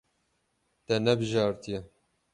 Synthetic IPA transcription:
t̪ɛnɛbɨʒɑːɾt̪ijɛ

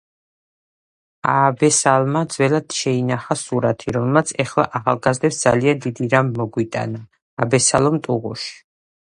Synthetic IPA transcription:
aːbɛsalˠmad̪zwɛlad̪̥ʃɛinaχasuɾat̪ʰiɾɔmɛlmat̪sʰɛχlˠa̰ʔaχalˠɡazd̪ɛpsd̪z̥aliand̪id̪iɾamːɔɡwit̪ʼa̰naː | bɛsalˠɔmt̪ʼuʁṵʃi̥

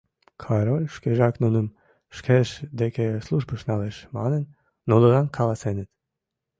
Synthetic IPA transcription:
kʰɑɾolʲʃkeʒɑknunum | ʃkʰɛʃd̪ekʰeslˠuʒbəʃnɑlɛʃmɑ̰nənː | ulˠəʁɑnkʰɑlˠɑsɛnət̪

